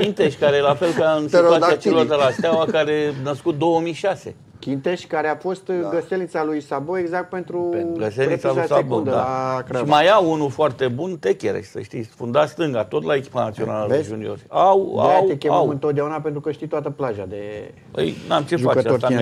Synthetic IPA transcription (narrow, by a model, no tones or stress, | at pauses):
kʲint̪eʃʲkaɾelafe̞lkaɨnsead̪at͡ʃelord̪elast̪eawakaɾe̞nəskut̪̚d̪o̞wəmijʃase̞̰ | kʲint̪eʃʲkaɾeafo̞st̪ɡəselnit̪salujsaboeɡzak̚t̪̚pe̞nt̪ɾuɡəst̪elnit̪saluasaabod̪d̪a̰kɾaʃimajawunufoart̪e̞bunt̪ekʲeɾḛʃʲsə̰ʃt̪ifund̪ast̪ɨŋɡat̪o̞t̪lae̞kʲi̥panat̪sio̞naləleʒunio̞̰rʲawa̰wekʲeawɨnt̪ot̪d̪ejaunape̞nt̪ɾukəʃt̪it̪oat̪əplaʒa̰d̪e | ə̰jnamt͡ʃeʒufat͡ʃea